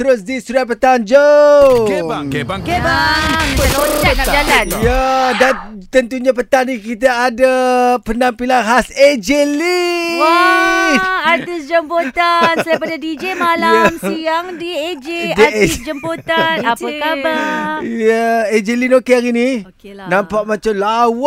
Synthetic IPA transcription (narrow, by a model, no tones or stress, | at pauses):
t̪əɾʊs̬disuɾat̪̚pət̪and͡ʒo | aloaad͡ʒalanjadan | t̪ənt̪uɲapət̪anikit̪aːdapənampilaŋɦased͡ʒeliw | art̪isd͡ʒəmpot̪ansəaipadadid͡ʒemalamsijaŋdied͡ʒediaisd͡ʒəmpot̪anaok̪abajaed͡ʒelinokeaɾini | nãmpaʔmãt͡ʃamlaw